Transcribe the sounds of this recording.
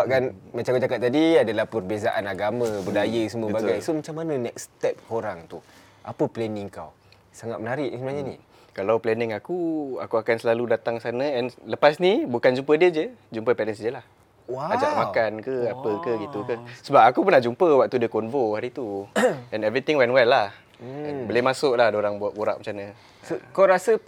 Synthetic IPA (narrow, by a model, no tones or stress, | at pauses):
akanmat͡ʃaŋkad͡ʒakat̪̚ːadiadalahpərbezaʔanaɡamãbədajəsəməbbaɡajsomat͡ʃamːanə̃nɛk̚st̪ɛp̚oɾaŋt̪u | ʔapəplɛniŋkaw | saŋat̪̚mənaɾɪʔsəbənaɦɲani | kalawplɛnɪŋakua̰kuakansəlaludat̪aŋsanə̃ɛnləpasnibukand͡ʒumpədiəd͡ʒəd͡ʒumpəpɛlɛnsdəlah | waad͡ʒaʔmakankəapəkəɡit̪ukəsəbapakupənahd͡ʒumpəwak̚t̪udəkɔnvohaɾit̪uɛnɛvɾit̪iŋwɛnwɛlːah̩ | ɛnbəlemasʊʔlahdoɾaŋbʔboɾa̰ʔ̚mat͡ʃanə̃ | sokawɾasə